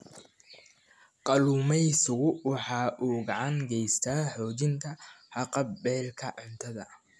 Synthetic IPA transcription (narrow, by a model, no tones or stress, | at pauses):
qɑluːmɛjsʊɣʊwɑħɑːʔuːɡɑʕɑŋɡɛjst̪ʰaːħɔːt͡ʃɪnt̪ʰɐħɑqɑbbɛːlkʰɐʕʊnt̪ʰɐðɐ